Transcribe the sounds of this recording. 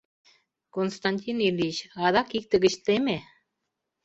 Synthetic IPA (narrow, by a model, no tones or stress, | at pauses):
konst̪ɑnʲt̪ʲinilʲit͡ɕɑðɑkik̚t̪ĕɡə̆ɕt̪eme